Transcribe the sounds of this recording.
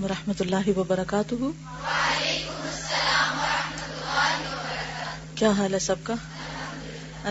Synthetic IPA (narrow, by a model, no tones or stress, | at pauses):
mɐɾɐħmɐt̪ʊlːaːɦiʋɐbɐɾɐkaːt̪ʊɦu | lekʊmɐsːɐlaːmɐɾɐhmɐt̪lːaːiɐbɐɾɐkː | kjaːɦaːlɦɛsɐb̚ka | ɐ